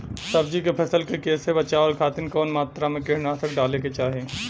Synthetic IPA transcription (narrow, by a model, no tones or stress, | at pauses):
sɐbd͡ʒikepʰɛsəlkekeːsebɐt͡ʃaːəːɾkʰaːt̪ɪnkɔːnmaːt̪ɾamẽkɪɾnasɐk̚ɖaːleket͡ʃaːɦeː